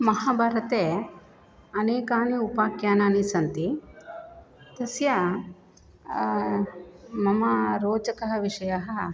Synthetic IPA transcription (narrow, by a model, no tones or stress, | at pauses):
mɐɦaːbʱaːɾɐt̪eː | ɐneːkaːniupaːkjaːnaːnisɐnt̪i | t̪ɐsjɐ | mɐmɐɾoːt͡ʃɐkɐɦɐʋiʂɐjɐɦɐ